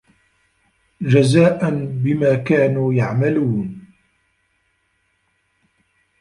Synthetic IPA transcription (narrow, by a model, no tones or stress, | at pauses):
d͡ʒazaːʔanbɪmaːkaːnuːjaʕmaluːn